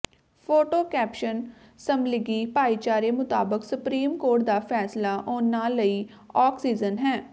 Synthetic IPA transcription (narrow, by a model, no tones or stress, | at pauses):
pʰoːʈoːkɛːpʃən | səmlɪɡiːpaːiːt͡ʃaːɾeːmʊt̪a̰ːbəksʊpɾiːmkoːɾʈ̚d̪aːpʰɛːslaːʔoːnaːləiː | ɔːksiːzənɦɛː